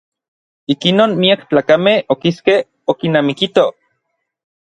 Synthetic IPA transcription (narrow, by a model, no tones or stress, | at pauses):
ikinoːnmiakt͡ɬaːkamehokiskeh | okinaːmikit̪o